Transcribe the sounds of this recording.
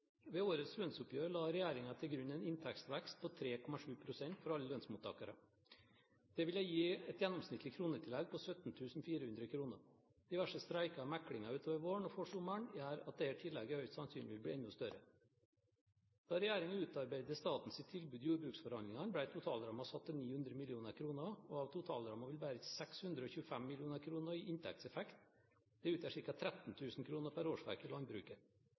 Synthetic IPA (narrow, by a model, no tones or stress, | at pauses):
ʋeːoːɾət̪slœnsʊpjøːɾlɑːɾɛjæːɾɪŋɑt̪ʰɪlɡɾʉnːɛɪnɪnt̪ʰækst̪ʋɛkst̪̚pʰɔt̪ʰɾeːkʰɔmɑʂʉːpʰɾʊsɛnt̪fɔɾɑlːəlœnsmuːt̪ʰːɑ̰ːkɑɾə̰ | d̪̥ɛʋɪljæɪjiːɛt̪jɛnːɔmsnɪt̪ʰːlɪkʰɾuːnət̪ʰɪlːɛɡ̚pʰɔsœt̪n̩t̪ʰʉːsn̩fiːɾəhʉnd̪ɾəkʰɾuːnə̰ɾ | d̪ɪʋæʂəst̪ɾæɪkɑmækɽɪŋɑʉːt̪ʰoːʋəɾʋoːɳɔfoʂʊməɳjæːɾɑt̪̚d̪ɛhæʈʰɪlːɛɡəhœʏt̪sɑnsyːnlɪʋɪlbɽiːɛnʊst̪œɾə̰ | d̪̥ɑːɾɛjæːɾɪŋəʉːt̪ɑɾbæɪd̪əst̪ɑːt̪n̩sɪt̪ʰːɪlbʉːd̪juːɾbɾʉːksfɔɾhɑnɪŋɑnbɽæɪt̪ʰʊt̪ʰɑ̰ːlɾɑmɑsɑt̪ːəniːhʉnd̪ɾəmɪlɪuːnəɾkʰɾuːnəoɑʋt̪ʰʊt̪ʰɑ̰ːlɾɑmɑʋɪlbæːɾət̪ɪsɛkshʉnd̪ɾəoːçʉəfæmːɪlɪuːnəɾkʰɾuːnəɾiːʔɪnt̪ʰɛ̰k̚t̪sɛfɛkt̪ | d̪̥ɛʉːt̪jæːʂɪɾkɑt̪ʰɾɛt̪n̩t̪ʰʉːsn̩kʰɾuːnəɾpʰæɾoːʂʋæ̰ɾkɪlɑnbɾʉ̰ːkə